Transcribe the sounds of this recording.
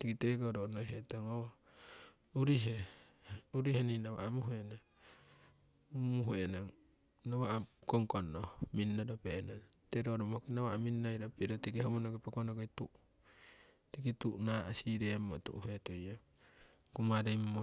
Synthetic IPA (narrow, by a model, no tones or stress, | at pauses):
tikitekoɾonojɦetoŋowa | uɾiɦe | uɾiheninaβa̰amuɦoena | muɦoenaŋ | naβakoŋkonːohminːadopenateɾoɾomkinawaaminːajɾopiɾotikihomonokepakonokajtuʔ | tikituʔnaasiɾeamːotṵʔhetoja | kumaɾemːo